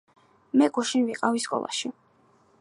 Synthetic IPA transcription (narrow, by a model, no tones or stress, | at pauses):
mɛɡuʃinviqʼaviskʼɔ̰lˠa̰ʃi